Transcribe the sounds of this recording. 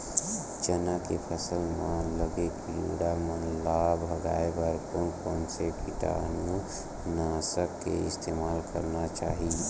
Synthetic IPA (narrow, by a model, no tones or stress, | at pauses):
d͡ʒənakepʰəsəlmãləɡekjṵɽamənlabəɡa̰ːebəɾkoːnkoːnsekit̪a̰nu | nasəkːḛɪ̰st̪emaːlkəɾnat͡ʃaːɦi